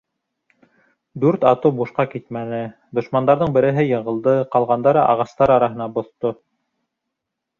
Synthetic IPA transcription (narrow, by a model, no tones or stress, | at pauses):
d̪ʉɾt̪ɑ̰t̪ɤwbuʃqɑkit̪mænɘ | d̪ŏʃmɑnd̪ɑɾðɤɴbɘ̆ɾɘ̆ɦɘjɤ̆ɴɢɤ̆lˠd̪ɤqɑlˠʁɑnd̪ɑɾɑʔɑ̰ʁɑst̪ɑɾɑɾɑɦɤ̆nɑbŏθt̪o